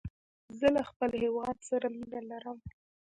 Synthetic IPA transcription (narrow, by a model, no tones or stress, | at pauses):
zəlaxpəlhewɑd̪̚saɾaminalaɾəm